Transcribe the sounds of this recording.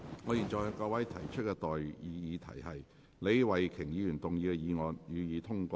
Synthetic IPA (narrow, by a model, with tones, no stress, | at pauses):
ŋɔː˨˧jiː˨˩nt͡ʃɔː˨˩jhkɔː˧wɐ˨˥jt̪ʰɐ˨˩jt͡ʃʰɵ˥t̚kɛː˧t̪ɔː˨jiː˨˧jiː˨˧t̪ʰɐ̰˨˩jhɐ˨j | le˨˧jwɐ˨jkʰɪ˨˩ŋjiː˨˧jyː˨˩nt̪ʊ˨ŋjiː˨˧kɛ˧jiː˨˧ŋɔː˨njyː˨˧jiː˨˧t̪ʰʊ˥ŋkʷɔː˧